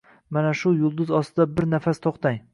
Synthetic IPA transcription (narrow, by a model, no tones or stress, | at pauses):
manaʃʊjʊlˠd̪ʊzɒst̪ɪd̪abɪɾnafast̪ʰɒqt̪ʰaŋ